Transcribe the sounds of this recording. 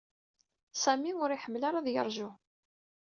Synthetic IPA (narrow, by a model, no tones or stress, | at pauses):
sæmiʊɾiħəmːlaɾaðjə̰ɾˤʒʊ